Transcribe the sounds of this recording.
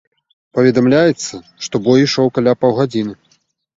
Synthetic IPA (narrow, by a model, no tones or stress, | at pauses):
pɐvʲɛd̪amlʲajɛt̪sːɐ | ʂt̪ɔbɔjiʂɔwkalʲapawɣad͡zʲinɨ